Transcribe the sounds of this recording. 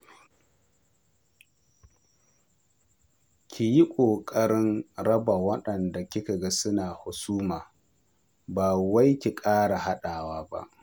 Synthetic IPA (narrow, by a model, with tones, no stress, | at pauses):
kʲʰi˨ji˦kʷʼoː˨kʼɐ˦ɽɪ˦nɽɐ˦ba˨wɐ˦ɗɐ˨nda˨kʲɪ˦ka˨ɡa˦sʊ˦naː˨hʊ˨suː˦maː˨ | baː˨wa˦jkʲi˨kʼaː˦ɽa˨ha˦ɗaː˨waː˦ba̰˦ʔ